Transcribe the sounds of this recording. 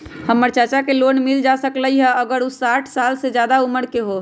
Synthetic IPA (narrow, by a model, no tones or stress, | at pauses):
həmːəɾt͡ʃat͡ʃakelonmild͡ʒasəkləjɦəəɡəɾusaʈʰsalsed͡ʒjad̪auməɾkeɦo